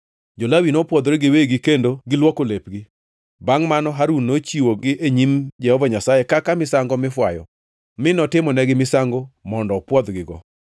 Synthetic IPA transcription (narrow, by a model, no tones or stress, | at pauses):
d͡ʒolawinɔpwɔd̪ɾeɡɪweɡɪkendoɡɪlwɔkolepɡɪ | baŋmanɔɦaɾunːot͡ʃiwoɡɪʔeɲimd͡ʒɛhɔvaɲasajekakamɪsaŋɡɔmɪfwajɔ̰ | mɪnɔtɪmɔnɛɡɪmɪsaŋɡomɔndɔpwɔd̪ɡɪɡɔ